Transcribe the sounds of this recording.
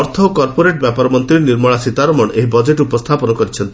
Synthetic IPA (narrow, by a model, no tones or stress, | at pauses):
ɔɾt̪ʰɔkɔɾpoɾeʈbjapaɾɔmɔnt̪ɾiɾniɾmɔɭasit̪aɾɔmɔɳʔeɦibɔd͡ʒeʈupɔst̪ʰapɔnɔkɔɾit͡ʃʰɔnt̪i